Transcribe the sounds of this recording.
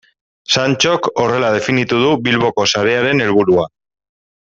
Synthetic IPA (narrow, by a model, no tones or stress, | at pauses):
sant͡ʃo̞ko̞re̞lað̞e̞finit̪uð̞uβilβo̞ko̞saɾe̞aɾe̞ne̞lβuɾua